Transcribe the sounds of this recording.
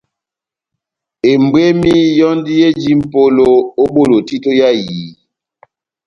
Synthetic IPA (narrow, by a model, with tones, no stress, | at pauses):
e˨m˨bwe˦mi˦jɔ˦ndi˦je˦d͡ʒi˦m̩˨po˦lo˦o˦ɓo˦˨lo˨ti˦to˦ja˦jiː˨˦